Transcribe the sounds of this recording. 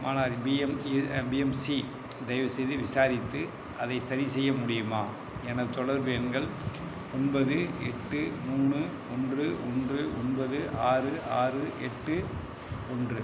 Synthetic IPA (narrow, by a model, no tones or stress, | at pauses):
maːnaːɾibiɛmbiːɛmsi | d̪ɛjʋɐsɛjðɯʋɪsaːɾɪt̪ːɯ | ɐðɐɪsɐɾɪsɛjːɐmʊɽɪjɯmaː | ɛnɐt̪ɔɽɐɾʋɛnɡɐɭ | ɔnbɐðɯɛʈːɯmuːɳɯ | ɔndrɯʔɔndrɯʔɔnbɐðɯʔaːrɯʔaːrɯʔɛʈːɯ | ɔndrɯ